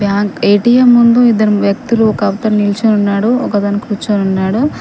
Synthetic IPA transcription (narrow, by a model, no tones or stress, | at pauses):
bʱjaːɡejʈijɐmːund̪uid̪ːɐɾuʋjɐk̚t̪uluɔkɐɐʋt̪ɐɾnilt͡ʃɐnunːaːɽuɔkɐd̪ɐnikɾut͡ʃːɐnunːaːɽu